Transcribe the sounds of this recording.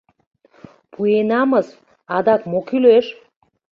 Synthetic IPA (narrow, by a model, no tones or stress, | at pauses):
pʰuenɑməs | ɑd̪ɑkmokyleʃ